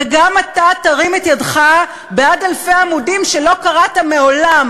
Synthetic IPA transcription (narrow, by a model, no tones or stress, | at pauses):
eɡamatataʁimetjadχa | beadalfe̞jamudimʃelo̞kaʁatameo̞lam